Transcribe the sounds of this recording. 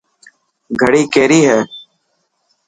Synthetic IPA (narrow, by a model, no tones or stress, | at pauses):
ɡʱəɽiːkeːɾiːɦɛː